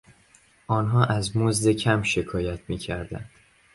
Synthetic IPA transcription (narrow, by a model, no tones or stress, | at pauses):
ʔɒːnɦɒːʔæzmozd̪e̞cʰæmʃe̞kʰɒːjæt̪ʰmiːcʰæɾd̪æ̰nd̪̥